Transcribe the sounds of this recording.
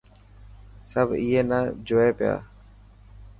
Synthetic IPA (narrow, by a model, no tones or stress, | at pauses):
səbʱiːɦeːnaːd͡ʒoːeːpɪja̰ː